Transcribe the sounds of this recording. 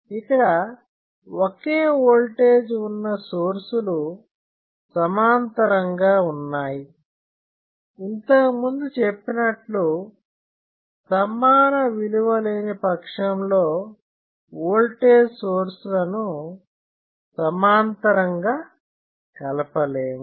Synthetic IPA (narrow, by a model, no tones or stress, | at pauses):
ikːɐɽɐ | wokeːoːlʈeːd͡ʒunːɐsoːɾsulu | sɐmaːnt̪ɐɾɐŋɡaːunːaːji | int̪ɐkɐmund̪ut͡ʃe̞pːinɐʈlu | sɐmːaːnɐʋiluʋɐleːnipɐkʂɐmlo̞ː | oːlʈeːd͡ʒsoːɾsulɐnu | sɐmaːnt̪ɐɾɐŋɡaː | kɐlɐpɐleːmu